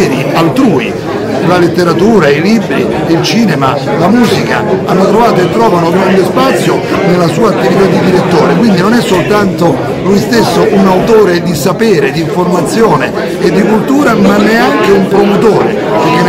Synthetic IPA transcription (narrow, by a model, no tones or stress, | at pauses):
ɾḭalt̪ɾuːḭ | lalet̪ːeɾat̪uːɾailibɾḭ | ilt͡ʃiːnema | lamuːzika̰anːot̪ɾovaːt̪oet̪ːɾɔːvanoɡɾand̪ospat̪sːjo | nelːasuːaːt̪ːivit̪ad̪ːid̪iɾet̪ːoːɾekwind̪inonɛsːolt̪ant̪o | lujst̪esːoʔunawt̪oːɾed̪isapeːɾed̪iɱformat̪sːjoːneː | d̪ːikult̪uːɾamanːeaŋk̟eumpɾomot̪oːɾḛ | kevjɛn